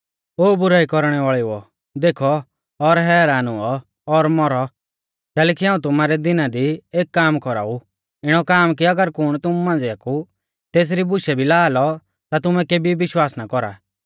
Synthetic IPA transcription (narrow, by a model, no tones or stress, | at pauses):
oːbʊɾaːikɔɾɽ̃ɛʋaːɭiuɔ | d̪eːkʰɔː | ɾɦɛːɾaːnuɔː | ɾmɔɾɔ | kɛːlɛkiɦãːũt̪ʊmaːɾɛd̪ɪnad̪ieːkːaːmkɔɾa̰u | ɪɽ̃ɔkaːmkiɐɡəɾkʊɽ̃t̪ʊmumãːnd͡zeaku | t̪eːs̬ɾibʊʃɛbʱilaːlɔ | t̪at̪ʊmɛkeːbiʋɪʃwaːsnakɔɾa̰